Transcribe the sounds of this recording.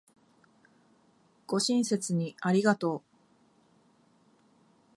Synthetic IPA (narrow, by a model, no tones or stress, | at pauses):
ɡ̥o̞ɕĩɰ̃se̞t͡sɨɲ̟iaɾʲiɡat̪o̞ː